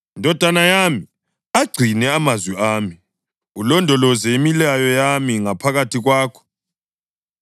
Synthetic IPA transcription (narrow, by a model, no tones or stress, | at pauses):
indʱɔd̥ʱanajaːmi | aɡ͡ǀʱinɛamazwɛaːmi | ulɔndʱɔlɔzɛimilajɔjamiŋapʰaɣatʰiɣwaːkʰɔ̥